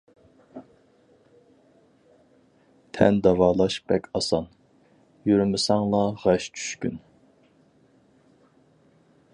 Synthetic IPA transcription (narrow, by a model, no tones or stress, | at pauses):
t̪ʰɛ̰nd̪ɑvɑːlˠɑʃbɛkʲʰɑsɑn | jyɾmɪsɑŋlˠɑʁɑʃt͡ʃʰy̥ʃkʲyn